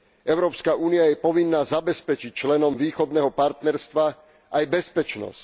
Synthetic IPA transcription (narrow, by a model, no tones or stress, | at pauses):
ʔɛʊɾɔːpskaʔuːniajɛpɔʋinːaːzabɛspɛt͡ʃic̚t͡ʃlɛnɔmʋiːxɔd̪nɛːɦɔpaɾt̪nɛɾst̪ʋa | ʔajbɛspɛt͡ʃnɔ̰sc